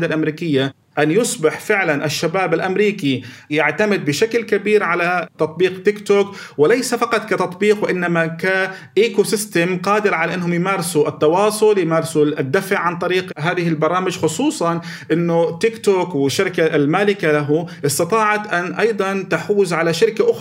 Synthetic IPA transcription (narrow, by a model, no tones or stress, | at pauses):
d̪alʔamɾiːkɪjːa | ʔanjʊsˤbɪħfɪʕlanʔɪʃːabaːbɪlʔamɾiːkijaʕt̪amɪd̪̚bɪʃaklkabiːɾʕalat̪ɑt̪̚ˤbiːqt̪ɪkt̪oːkwɪlajsafɑqɑt̪ˤkat̪ɑt̪ˤbiːqwɪʔɪnːamaka | ʔeːkosɪst̪amqɑːd̪ɪɾʕalaʔɪnːɦʊmjɪmaːɾɪsuʔɪt̪ːɑwɑːsˤʊljɪmaːɾsud̪ːafʕʕant̪ˤɑɾiːqɦaːðɪhɪlbɑɾˤɑːmɪd͡ʒxʊsˤuːsˤɑn | ʔɪnːʊt̪ɪkt̪oːkwɪʃːɪɾkalmaːlɪkalaɦʊʔɪst̪ɑt̪ˤɑːʕɑt̪ʔanʔɑjd̪ˤɑnt̪aħuːzʕalaʃɪɾɪkaʔʊx